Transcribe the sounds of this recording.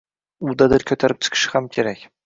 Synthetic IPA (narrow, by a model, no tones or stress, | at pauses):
ud̪ɑd̪ɪɾkʲʰɵt̪ʰaɾɪp̚t̪ʰɪ̥kʲʰɪ̥ʃɪ̥χamkʲʰeɾækʲ